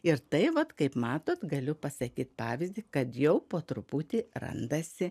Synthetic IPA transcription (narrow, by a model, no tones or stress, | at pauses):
ɪɾt̪ɐɪʋɐt̪kɐɪpmɑːt̪oːt̪ɡɐlʲʊpɐsɐkʲiːt̪pɑːʋʲɪzʲd̪ʲiːkɐt̪jɛʊpoːt̪ɾʊput̪ʲiːɾɐ̰nd̪ɐsʲɪ